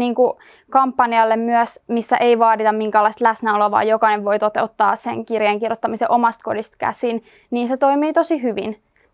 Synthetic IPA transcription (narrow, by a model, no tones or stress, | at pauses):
niːŋku | kɑmpːɑniɑlːemmyæsmisːæʔeiʋɑːd̪it̪ɑmmiŋkæːlːˑɑist̪læsnæolɑʋɑ̰ːjjokɑineʋʋo̞it̪ot̪eot̪ːɑ̰ːsḛŋkirjeŋkirjot̪ːɑmiseʔomɑst̪kodist̪kæ̰sin | niːnset̪o̞imiːt̪o̞siɦyʋḭn